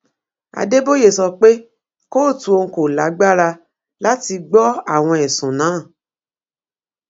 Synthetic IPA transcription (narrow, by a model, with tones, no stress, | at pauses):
a̰˧de˦bo˦je˨sɔ˧k͡pe˦ | ko˦˨tũ˧˦o˧ŋ̩˦ko˨la˨˦ɡ͡ba˦ɾa˧ | la˦ti˧ɡ͡bɔ˦a˦˨w̃ɔ̃˧ɛ˨sũ˨nã˨˦˨